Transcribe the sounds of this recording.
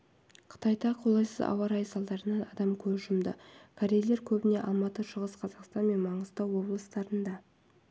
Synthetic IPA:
qʰə̥t̪ɑjd̪ɑqʰo̞lˠɑjsəzɑ̰wɑɾɑjsɑlˠd̪ɑɾənɑnɑd̪ɑmkʲʰɵʒʊmd̪ə̰kʲʰaɾʲejle̞ɾkʲʰɵbɪne̞ʔɑlˠmɑt̪əʃəʁəsqʰɑzɑqst̪ɑnme̞nmɑɴəzt̪ɑwo̞blˠəst̪ɑɾənd̪ɑ

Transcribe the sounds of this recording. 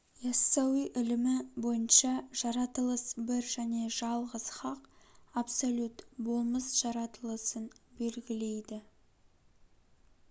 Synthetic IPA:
jɑsːɑwiʔɪlɪmɪbo̞jənʃɑʒ̥ɑɾɑt̪əlˠəsbɪɾʒæne̞ʒɑlˠʁəz̥χɑqapsolʲut̪bo̞lˠməsʒ̥ɑɾɑt̪əlˠəsənbe̞lɡʲɪle̞jd̪ɪ

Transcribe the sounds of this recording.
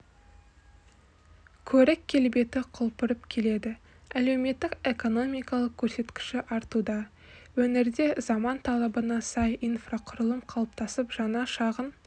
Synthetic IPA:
kʲʰɵɾɪkʲʰːe̞lbe̞t̪ɪqʰʊlˠpʊɾəpkʲʰe̞le̞d̪ɪ | æle̞wme̞t̪ːɪke̞ko̞no̞mijkɑlˠəq̚kʲʰɵɾse̞t̪kʲɪ̥ʃɪʔɑɾt̪ud̪ɑ | wɵnɪɾd̪e̞zɑmɑnt̪ʰɑlˠɑbənɑsɑjijnfraqʰʊɾəlˠəmqʰɑlˠp̚t̪ɑsəpʒ̥ɑnɑʃɑʁən

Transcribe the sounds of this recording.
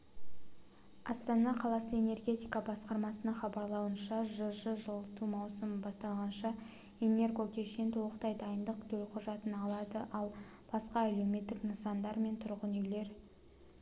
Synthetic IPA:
ɑst̪ɑnɑqʰɑlˠɑsəe̞ne̞rɡʲe̞t̪ijkɑbɑsqɑɾmɑsənɑɴχɑbɑɾlˠɑwənʃɑʒʊʒəʒəlˠət̪umɑwsəmbɑst̪ɑlˠʁɑnʃɑ | ene̞rɡo̞kʲʰe̞ʃe̞nt̪owˠəqt̪ɑjd̪ɑjənd̪əqt̪ʰɵlqʰʊʒɑt̪ənɑlˠɑd̪əʔɑlˠ | b̥ɑsqɑæle̞me̞t̪ːɪknəsɑnd̪ɑɾme̞nt̪ʰʊɾʁənejle̞ɾ

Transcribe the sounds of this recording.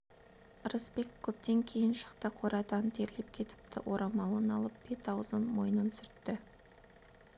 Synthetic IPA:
ɾəspe̞kʲʰːɵp̚t̪e̞ŋkʲʰe̞jɪnʃə̥qt̪əqʰoɾɑt̪ɑnt̪ʰe̞ɾle̞p̚kʲʰe̞t̪ɪ̥p̚t̪ɪ̰ʔo̞ɾʔɑmɑlˠənɑlˠəp̚b̥e̞t̪ɑwəzənmo̞jənənsʏɾt̪ːɪ

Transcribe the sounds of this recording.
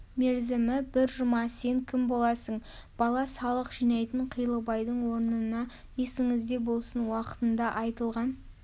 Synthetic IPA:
me̞ɾzɪmɪbɪɾʒʊmɑse̞ŋkʲʰɪmbo̞lˠɑsəɴ | b̥ɑlˠɑsɑlˠəqʒ̥ijnɑjt̪əɴqʰijlˠəbɑjd̪əɴwo̞ɾnənɑ | je̞sɪŋɪzd̪e̞bo̞lˠsənwɑqə̥t̪ənd̪ɑʔɑjt̪əlˠʁɑn

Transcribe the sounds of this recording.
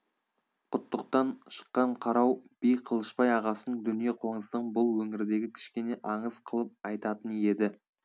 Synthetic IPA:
qʰʊt̪ːəq̚t̪ɑɴʃə̥qːɑɴqʰɑɾɑwb̥ijqʰəlˠəʃpɑjɑʁɑsənŋd̪ʏnijeqʰwoɴəzd̪əɴbʊlˠwɵŋɪɾɪd̪e̞ɡʲɪkʲʰɪ̥ʃkʲe̞ne̞ʔɑɴəz̥qʰəlˠəp̚ɑjt̪ɑt̪əne̞d̪ɪ

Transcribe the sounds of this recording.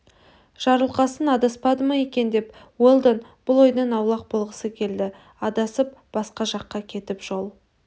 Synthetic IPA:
ʒ̥ɑɾəlˠqɑsənɑd̪ɑspɑd̪əmɑje̞kʲe̞nd̪e̞p | wolˠd̪enb̥ʊlˠojd̪ənɑwlˠɑq̚bʊlˠʁəsəkʲʰe̞ld̪ɪ | ɑd̪ɑsəp̚b̥ɑsqɑʒɑqːɑkʲʰe̞t̪ɪpʒ̥o̞lˠ

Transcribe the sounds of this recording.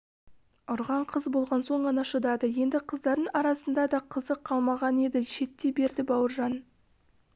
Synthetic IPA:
ʊɾʁɑɴqʰəzbo̞lˠʁɑnso̞ɴʁɑnɑʃəd̪ɑd̪əje̞nd̪ɪqʰəzd̪ɑɾd̪əɴɑɾɑsənd̪ɑd̪ɑqʰəzəqʰːɑlˠmɑʁɑne̞d̪ɪʃe̞t̪ːe̞be̞ɾd̪ɪbɑwəɾʒɑn

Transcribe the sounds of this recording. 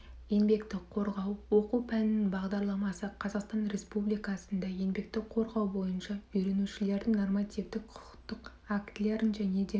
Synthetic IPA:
je̞nbe̞kt̪ɪkqʰo̞ɾʁɑwwo̞quwpʰænɪnɪnbɑʁd̪ɑɾlˠɑmɑsəqʰɑzɑqst̪ɑnɾe̞spublijkɑsənd̪ɑje̞nbe̞k̚t̪ɪkqʰo̞ɾʁɑwbo̞jənʃɑʏjɾe̞nuʃɪle̞ɾd̪ɪŋno̞rmɑt̪ivd̪ɪk̚qʰʊ̥qt̪ːəq | akt̪le̞ɾɪnʒæne̞d̪e̞

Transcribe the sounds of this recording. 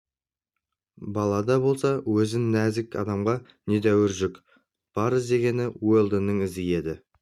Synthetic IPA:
bɑlˠɑd̪ɑbo̞lˠsɑwɵzɪnnæzɪkɑ̰d̪ɑmʁɑ | ne̞d̪æwɪɾʒʏk | b̥ɑɾɪzd̪e̞ɡʲe̞nɪwojlˠd̪ənːəɴɪzɪje̞d̪ɪ

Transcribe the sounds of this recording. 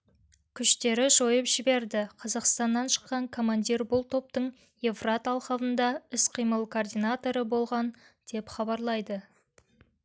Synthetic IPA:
kʲʰʏʃt̪e̞ɾɪʒo̞jəpʒ̥ɪbe̞ɾd̪ɪqʰɑzɑqst̪ɑnːɑnʃə̥qːɑŋkʰo̞mand̪ʲirbʊlˠt̪ʰo̞p̚t̪əɴ | jefrat̪ɑlˠqɑvənd̪ɑɪsqʰijməlˠkʰoːrd̪ijnat̪o̞ɾəbo̞lˠʁɑn | d̪̥e̞pχɑbɑɾlˠɑjd̪ə

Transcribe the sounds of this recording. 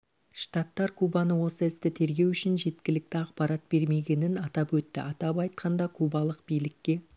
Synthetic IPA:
ʃt̪ɑt̪ːɑɾkʰubɑnəwo̞səɪst̪ɪt̪ʰe̞ɾɡʲe̞wʏʃɪnʒe̞t̪kʲɪlɪk̚t̪ɪɑqpɑɾɑt̪̚b̥e̞ɾme̞ɡʲe̞nɪnɑt̪ɑpwɵt̪ːɪ̰ʔɑt̪ɑpɑjt̪qʰɑnd̪ɑkʰubɑlˠəqbijlɪkʲːe̞

